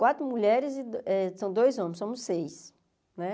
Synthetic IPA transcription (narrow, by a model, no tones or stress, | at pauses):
kwat̪ɾʊmuʎɛɾɪzɪd̪ɛsɐ̃w̃d̪ojzõmẽsõmʊsːejs | nɛ